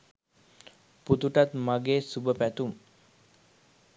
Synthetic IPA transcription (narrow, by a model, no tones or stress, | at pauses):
put̪uʈat̪maɡeːsubəpæt̪um